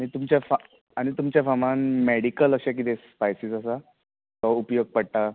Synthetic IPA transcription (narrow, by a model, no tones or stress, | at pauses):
aɽ̃it̪umt͡ɕjafa | aɽ̃it̪umt͡ɕjafamãnmeɽikələɕak̬it̪espajsisəsa | kɔupjoɡ̚pəɽʈ̪a